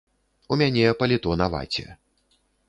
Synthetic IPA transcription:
umʲanʲɛpɐlʲɛt̪ɔnava̰t͡sʲɛ̰

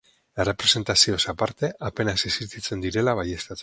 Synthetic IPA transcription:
e̞re̞pɾe̞se̞nt̪asiosapaɾt̪e̞ʔape̞nasesiɾt̪it͡se̞nd̪iɾe̞laβaje̞st̪at͡s̪

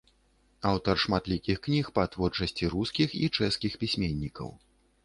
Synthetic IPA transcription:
awt̪ɐrʂmat̪lʲikʲixknʲixpɐt̪vɔrt͡ʂɐsʲt͡sʲiɾuskʲixḭt͡ʂɛskʲixpʲisʲmʲenʲːikɐ̰w

